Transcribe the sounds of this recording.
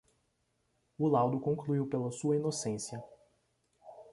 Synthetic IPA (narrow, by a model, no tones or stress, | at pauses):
ʊlawd̪ʊkõŋkluiwpelɐsuɐinosẽsjɐ